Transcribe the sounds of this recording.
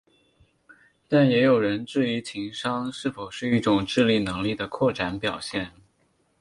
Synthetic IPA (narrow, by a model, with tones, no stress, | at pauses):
t̪a˥˩njɛ˧˥jo˨˩ʊɻə˧˥nʈ͡ʂɻ̩˥˩i˧˥t͡ɕʰi˧˥ŋʂɑ˥ŋʂɻ̩˥˩fo˨˩ʊʂɻ̩˥˧i˥˩ʈ͡ʂʊ˨˩ŋʈ͡ʂɻ̩˥˧li˥˩nɤ˧˥ŋli˥˩d̪ə˩kʰwɔ˥˩ʈ͡ʂa˧˥npjɑ˨˩ʊɕjɛ˥˩n